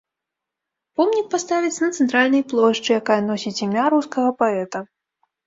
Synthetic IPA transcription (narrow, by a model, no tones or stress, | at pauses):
pɔmnʲik̚past̪avʲit̪sʲɐnɐt̪sɛnt̪ɾalʲnɐjplˠɔʂt͡ʂɨjakajɐnɔsʲit͡sʲimʲaɾuskɐɣɐpaɛt̪ɐ